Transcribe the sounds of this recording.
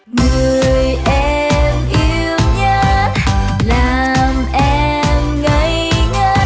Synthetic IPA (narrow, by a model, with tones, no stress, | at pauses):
ŋɨ˨˩əjʔɛ˧ | mʔi˧˦əwɲə˧˦ | laː˨˩ | mʔɛ˧ | mŋə˧˦j | ɲə˧˦